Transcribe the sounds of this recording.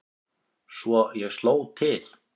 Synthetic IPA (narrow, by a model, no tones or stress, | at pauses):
svɔjɛɣstloːwt̪ʰɪl̥